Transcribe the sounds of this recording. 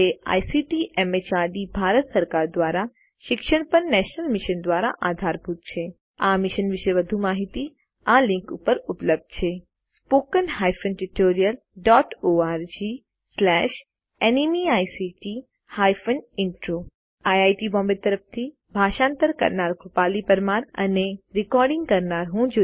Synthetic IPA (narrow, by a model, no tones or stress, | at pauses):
ea̰jsiʈiʔemet͡ʃaɖibʱaɾət̪səɾkaɾd̪ʋaɾa | ʃɪkʃəɽpənnɛʃnəlmɪʃənd̪ʋaɾa̰ʔad̪ʱaɾbʱut̪̚t͡ʃʰe | amiʃənʋɪʃəjʋəd̪ʱumaɦit̪i | alɪ̃ŋkupəɾupləb̚d̪̚t͡ʃʰe | spokənɦajfənʈuʈoɾijəl | ɖɔʈoaɾd͡ʒi | slɛʃ | enimiajsiʈi | hajfənɪɳʈɾo | ajajʈibɔ̃mbet̪ːəɾəft̪ʰi | bʱaʃãnt̪əɾkə̰ɾnaɾkʰupalipəɾmaɾə̰neɾɪkɔɾɖɪ̃ŋɡkəɾnaɾɦũd͡ʒo